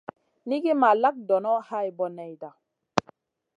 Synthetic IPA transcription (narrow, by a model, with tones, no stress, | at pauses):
ni˦ɡi˦ma˨la˦k̚dɔ˨nɔ˦ha˦jbɔ˦nɛ˨jda˨